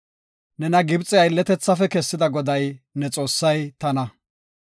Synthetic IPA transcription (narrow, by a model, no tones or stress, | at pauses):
nɛnɐɡɪbt͡sʼɪjɐɪlːɛt̪ɛt͡sːɐfɛkɛsːɪd̪ɐɡɔd̪ɐjnɛt͡sʼo̞ːsːɐjt̪ɐnɐ